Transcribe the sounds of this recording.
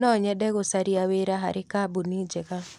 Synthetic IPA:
nɔɲɛdɛɡosaɾiaweɾaɦa̰ɾʔɪkabunid͡ʒɛka

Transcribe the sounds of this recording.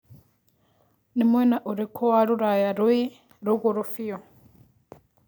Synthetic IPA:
nimwɛnaʔuɾikʰɔwaɺuɾajaɾui | ɾuɣuɾufijɔ

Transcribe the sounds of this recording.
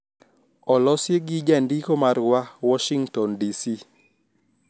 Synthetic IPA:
ɔlɔsjeɡid͡ʒandikomaɾwawɔʃiŋtɔndisi

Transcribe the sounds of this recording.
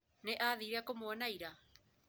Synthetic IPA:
nɛʔaðiɾeakomoanaiɾa

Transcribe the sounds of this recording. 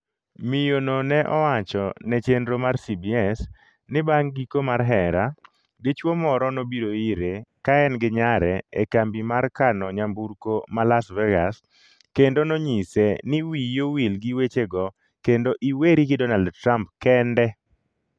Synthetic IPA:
mɪjononɛʔɔwat͡ʃɔnɛt͡ʃendɾomaɾsibiɛs | nɪbaŋɡikomaɾɦɛɾa | ɡɪt͡ʃwomɔɾɔnobiɾoiɾekaɛnɡɪɲaɾɛekambimarkanɔɲambuɾkomalasvɛɡas | kendonoɲisenɪwijowilɡiwet͡ʃeɡɔ | kendoʔiweɾiɡɪdɔnaldtɾampkɛndɛ

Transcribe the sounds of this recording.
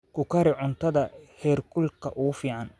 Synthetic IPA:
kʰʊkʰɐɾɪʕʊnt̪ʰɐðɐhɛːrkʰʊlkʰɐʔʊfiːʕɑn

